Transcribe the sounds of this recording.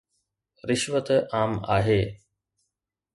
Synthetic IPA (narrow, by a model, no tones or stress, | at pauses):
ɾɪʃʋət̪ʔaːma̰ːɦeː